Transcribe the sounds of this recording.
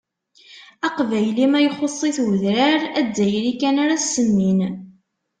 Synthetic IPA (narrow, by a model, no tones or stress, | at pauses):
ɑqvæjlimæjχosˤːiθwəðɾaɾæd̪ːæjɾikænaɾasːəmːin